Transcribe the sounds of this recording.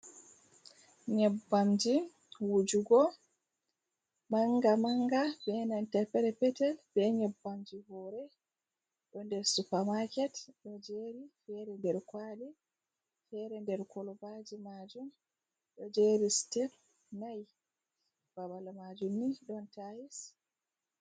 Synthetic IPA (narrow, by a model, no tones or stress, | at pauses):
ɲɛbːamd͡ʒi | wud͡ʒuɡɔ | maŋɡamaŋɡabɛnantɛpɛɾɛpɛtɛlbɛɲɛbːamd͡ʒihɔɾɛ | ɗɔndɛɾsupamakɛtɗɔd͡ʒeɾifɛɾɛndɛɾkwadi | fɛɾɛndɛɾkʰɔlɔbad͡ʒimad͡ʒum | ɗɔd͡ʒeɾistɛp | naj | b̥abalmad͡ʒumniɗɔntajis